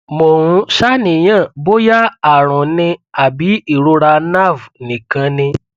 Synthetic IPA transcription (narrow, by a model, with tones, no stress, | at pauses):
mo˨ɾ̃ũ˧˦ʃa˦nĩ˨j̃ã˦˨bo˦ja˦a˨ɾ̃ɔ̃˨nĩ˧a˨bi˨˦i˦˨ɾo˧˦ɾa˧na˦˨vnĩ˨kã˧˦nĩ˧